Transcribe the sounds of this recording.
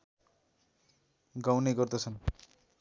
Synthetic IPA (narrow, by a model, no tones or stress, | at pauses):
ɡawneɡʌrd̪ʌt͡sʰʌn